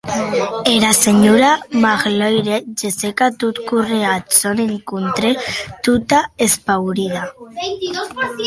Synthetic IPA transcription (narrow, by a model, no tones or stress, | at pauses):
eɾaseɲuɾamaɣlojɾed͡ʒesekat̪ut̪kureat͡sonenikunt̪ɾet̪ut̪aespawɾiða